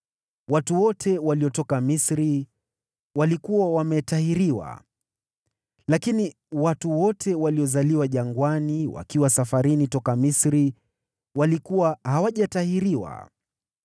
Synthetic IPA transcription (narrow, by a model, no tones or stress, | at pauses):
watuwɔtʰɛwaliɔtɔkamisɾi | walikuwawamɛtahiɾiwa̰ | lakini | watuwɔtʰɛwaliɔzaliwaʄaŋɡwaniwa̰kiwasafaɾinitɔkamisɾi | walikuwahawaʄatahiɾiwa̰